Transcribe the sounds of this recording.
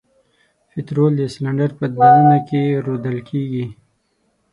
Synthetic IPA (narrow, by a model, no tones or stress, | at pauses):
pɪt̪ɾold̪əslaɳɖaɾpəd̪ananakeɾod̪əlkʰeɡi